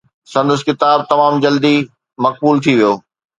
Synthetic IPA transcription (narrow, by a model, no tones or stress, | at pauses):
sɐ̃nd̪ʊskɪt̪aːb̚t̪ɐmaːmd͡ʑɐld̪i | mɐk̚buːlt̪ʰiʋijoː